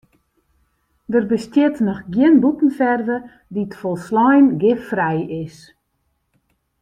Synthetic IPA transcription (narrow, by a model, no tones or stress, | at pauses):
dərbəstjɪtnɔxɡjɪənbutən̩fɛrvə | ditfɔlˠslɔjnɡɪffrɛjɪs